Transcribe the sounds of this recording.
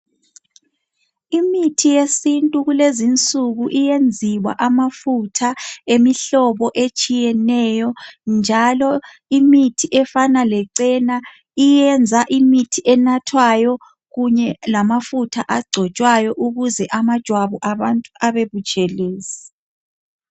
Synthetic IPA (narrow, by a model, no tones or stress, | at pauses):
imitʰijesintʼuɣulezint͡sʼuɣuʔijend͡zʱiwa̰ʔamafutʰaemiɬɔβɔʔet͡ʃʼijɛnɛjɔnd͡ʒʱalɔ | imitʰiʔɛfanalɛǀɛna | ijɛnd͡zʱaʔimitʰiʔɛnatʰwajɔ | ɣuɲɛlamafutʰaʔaɡ͡ǀʱɔt͡ʃʼwajɔʔuɣuzɛʔamad̥ʒ̥ʱwaβɔʔaβantʼuaβeβut͡ʃʼɛleːsi̥